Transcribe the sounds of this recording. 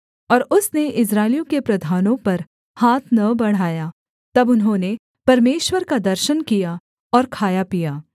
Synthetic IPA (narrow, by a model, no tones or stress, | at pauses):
ɔːɾʊsneʔɪs̬ɾaːɪljõkepɾɐd̪ʱaːnõpɐɾ | haːt̪ʰnɐbɐɽ̤aːja | t̪ɐbʊnɦõːne | pɐɾmeːʃwəɾkad̪ɐɾʃənkija | ɔːɾkʰaːjapijaː